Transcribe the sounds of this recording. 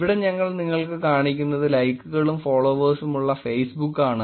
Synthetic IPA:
ʋiɽe̞ɲɐŋːɐɭniŋːɐɭkɨkaːɳikʲːunːɐðɨlɐjkːuɣɐɭumfoːɭoːʋɐːsumuɭːɐfejsbukːaːɳɨ

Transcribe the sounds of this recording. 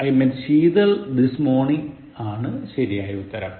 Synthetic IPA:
ɐjmenɕiːðɐld̪ismoːɳiŋ | aːɳɨɕɐɾijaːjɐut̪ːɐɾɐm

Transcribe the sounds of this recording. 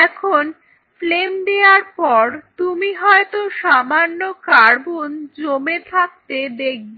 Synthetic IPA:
ɛkʰon | flemd̪eaɾpɔɾt̪umiɦɔet̪oʃamanːokaɾbond͡ʑomet̪ʰak̚t̪ed̪ek̚ʰbe

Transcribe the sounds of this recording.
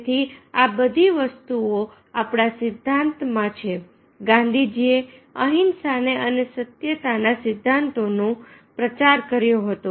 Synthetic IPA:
t̪ʰiabəd̪ʱiʋəst̪uo | apɽ̃asɪd̪ʱːãnt̪mãt͡ʃʰe | ɡãnd̪ʱid͡ʒieəɦinsaneʔənesət̪jət̪anasɪd̪ʱːant̪onũpɾət͡ʃaɾkəɾjoɦət̪o

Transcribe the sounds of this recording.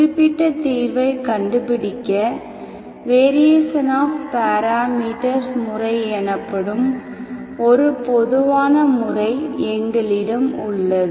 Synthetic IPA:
ɪpːɪʈːɐt̪iːɾʋɐɪkɐɳɖɯpɪɽɪkːɐ | ʋeːɾɪjɐsɐnaːfpaːɾaːmiːʈɐɾsmʊrɐɪɛnɐpːɐɽɯm | ɔɾɯpɔðɯʋaːnɐmʊrɐɪɛŋɡɐɭɪɽɐmʊɭːɐð

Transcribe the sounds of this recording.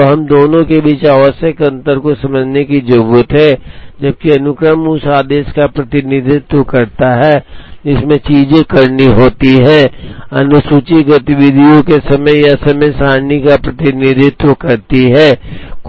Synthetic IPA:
oɦɐmd̪oːnõkebiːt͡ʃaːʋəsjəkɐ̃nt̪əɾkosɐməd͡ʒʱnekid͡ʒɐɡuːət̪ɦɛːd͡ʒɐb̚kiɐnʊkɾəmusaːd̪eːʃkapɾɐt̪ɪnɪd̪ʱɪt̪wəkɐɾt̪aɦɛːd͡ʒɪsmẽt͡ʃiːd͡ʒẽkɐɾniɦoːt̪iɦɛːɐnʊsuːt͡ʃiɡɐt̪ɪʋɪd̪ʱijõkesɐməjjasɐməjsaːɾnikapɾɐt̪ɪnɪd̪ʱɪt̪wəkɐɾt̪iɦɛːk

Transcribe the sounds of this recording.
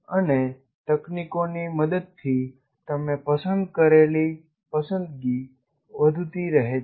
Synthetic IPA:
əne | t̪əknikoniməd̪əd̪̚t̪ʰi | t̪əmẽpəsə̃nd̪kəɾeli | pəsə̃nd̪̚ɡi | ʋəd̪ʱut̪iɾəɦe

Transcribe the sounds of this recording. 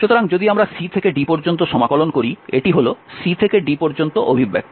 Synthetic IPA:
ʃut̪oɾaŋd͡ʑod̪iamɾasit̪ʰekeɖipɔɾd͡ʑont̪oʃɔmakɔlonkoɾieʈiɦolosit̪ʰekeɖipɔɾd͡ʑont̪oʔobʱibːɛ̰k

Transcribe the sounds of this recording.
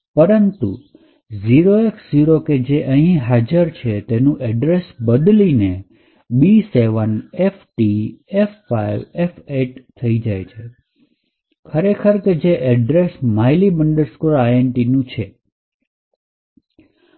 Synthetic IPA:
pəɾənt̪ṵ | ziɾoeksziɾoked͡ʒeʔəɦĩɦad͡ʒəɾt͡ʃʰet̪enũʔɛɖɾesbəd̪line | biseʋənefʈiefːaiʋefeʈt̪ʰəid͡ʒajt͡ʃʰe | kʰəɾekʰəɾked͡ʒeʔɛɖɾesmajlibəɳɖəɾskolajenʈinũt͡ʃʰe

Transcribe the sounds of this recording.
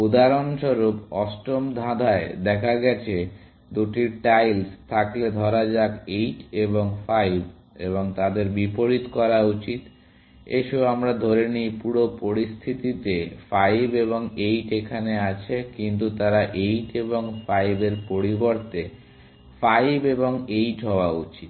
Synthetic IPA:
ud̪aɾonʃoɾupɔsʈɾomd̪ʱãd̪ʱaed̪ɛkʰaɡɛt͡ɕʰe | d̪uʈiʈajlst̪ʰakled̪ʱɔɾad͡ʑakejʈeβoŋfajb | ḛβoŋt̪ad̪eɾbipoɾit̪kɔɾaut͡ɕit̪ | eʃoamɾad̪ʱoɾenipuɾopoɾist̪ʰit̪it̪efajbeβoŋejʈekʰaneat͡ɕʰekint̪̬ut̪aɾaʔejʈeboŋfajbeɾpoɾiboɾt̪e | fajbeboŋejʈɦɔoaut͡ɕit̪

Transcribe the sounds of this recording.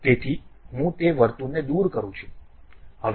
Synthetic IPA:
t̪et̪ʰiɦũt̪eʋəɾt̪uned̪uɾkəɾũt͡ʃʰu̥ | ɦəʋ

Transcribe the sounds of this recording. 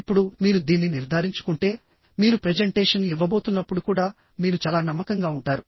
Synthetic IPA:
pːuɽumiːɾud̪iːnːiniɾd̪ʱaːɾiɲt͡ʃu̥kuɳʈe̞ː | miːɾupɾed͡ʒeɳʈeːʂɐnluiʋːɐbo̞ːt̪unːɐpːuɽukuːɽaː | miːɾut͡ʃaːlaːnɐmːɐkɐŋɡaːuɳʈaːɾu

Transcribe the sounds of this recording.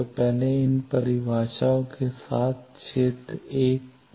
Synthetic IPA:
pɛɦleɪnpɐɾɪbʱaːʃaõkesaːt̪̚ʰt͡ʃʰeːt̪ɾeːk

